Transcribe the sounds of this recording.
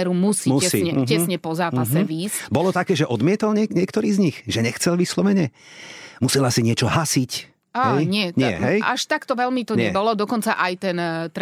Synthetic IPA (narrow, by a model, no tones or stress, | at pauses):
ɾumusiːusiɲɛcɛsɲɛpɔzaːpasɛʋiːsbɔlɔt̪akɛːʒɛʔɔd̪mɪɛt̪ɔlɲɛɲɪɛkt̪ɔɾiːzɲixʒɛɲɛxt͡sɛlʋislɔʋɛɲɛ | musɛlasiɲɪɛt͡ʃɔɦasic | aɦɛjɲɪɛɲɪɛ̰ɦɛjʔa̰ʃt̪akt̪ɔʋɛlmit̪ɔɲɛbɔlɔd̪ɔkɔnt͡saʔajt̪ɛnt̪ɾ